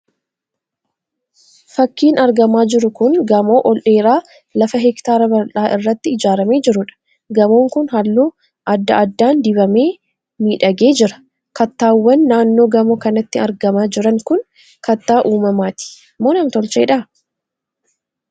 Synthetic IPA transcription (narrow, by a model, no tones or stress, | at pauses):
fɐkːiːnɐɾɡɐmaːd͡ʒɪɾʊkʊnɡɐmo̞ːʔɔlʔe̞ːɾaː | lɐfɐɦɛkt̪aːɾɐbɐɾᶑaːʔɪrːɐt̪ːɪɪd͡ʒaːɾɐme̞ːd͡ʒɪɾʊᶑɐ̥ | ɡɐmoːŋkʊnhɐlːuː | ʔɐd̪ːɐʔɐd̪ːaːnd̪ɪβɐmeː | miːᶑɐɡe̞ːd͡ʒɪɾɐ̥ | kɐt̪ːaːwːɐnːaːnːo̞ːɡɐmoːkɐnɐt̪ːɪɐɾɡɐmaːd͡ʒɪɾɐŋkʊn | kɐt̪ːaːʔuːmɐmaːt̪ɪ̥ɐmːoːnɐmt̪ɔlt͡ʃḛːᶑɐ